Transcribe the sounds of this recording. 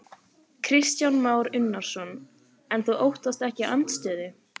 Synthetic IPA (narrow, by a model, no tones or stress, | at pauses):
kʰɾɪst̪janmaːwɾʏnːaɾ̥sɔn | ɛnθuʔowht̪ast̪ɛhcɪʔœnt̪st̪œːðɪ